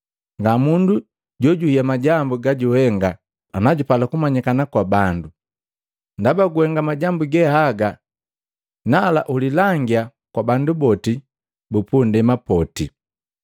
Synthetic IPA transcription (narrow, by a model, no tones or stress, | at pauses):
ŋɡamundu | ɟɔɟuhiamaɟambuɡaɟuhɛŋɡaː | naɟupalakumaɲikanakwabandu | ndabaɡuhɛŋɡamaɟambuɡɛhaɡa | nala̰ʔulilaŋɡia | kwabandubɔti | bupundɛmapɔti